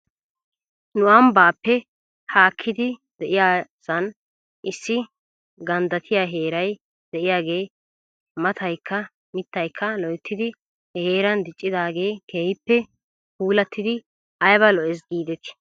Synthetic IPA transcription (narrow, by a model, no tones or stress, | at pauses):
nʊʔɐmbaːpːɛ | haːkʰːɪd̪ɪd̪ɛʔɪjaːsɐn | ʔɪsːɪ | ɡɐnd̪ɐt̪ʰɪjaːɦe̞ːɾɐj | d̪̥ɛʔɪjaːɡe̞ː | mɐt̪ʰɐjkʰːɐ | mɪt̪ːɐjkʰːɐlɔjɛt̪ːɪd̪ɪ | heːɾɐnd̪ɪt͡ʃʼːɪd̪aːɡe̞ːkʰeːjɪpːɛ | puːlɐt̪ːɪd̪ɪ | ɐjbɐlɔʔɛs̬ɡiːd̪ɛt̪ɪ̥